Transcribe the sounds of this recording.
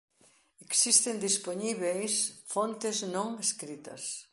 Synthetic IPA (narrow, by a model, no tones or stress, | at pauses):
eksist̪end̪isponiβejsfont̪ɪznõŋeskɾit̪ɐ̰s